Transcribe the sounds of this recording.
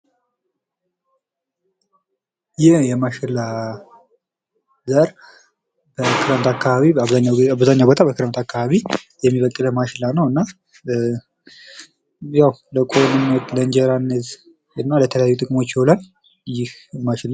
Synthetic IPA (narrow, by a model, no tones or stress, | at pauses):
jɪhjɛmaʃɪlːa | zəɾ | bəkʰɨɾəmt̪ʰakʰːaβaβiaaβzaɲːawbot̪ʼʰabəkʰɨɾənt̪ʰakʰːaβaβijɛmːiβəkʼːɨləmaʃɪlanəwɨnːa | jawləkʼonɨnːt̪lənd͡ʒɛɾanːət̪ | ɨnːalət̪ʰələjajːut̪ʼɨkʼɨmo̞t͡ʃːɛwlan | jɪhmaʃɪla